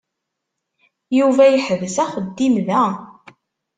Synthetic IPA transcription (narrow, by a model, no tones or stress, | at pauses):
juvæjəħəvəzæχəd̪ːimðæ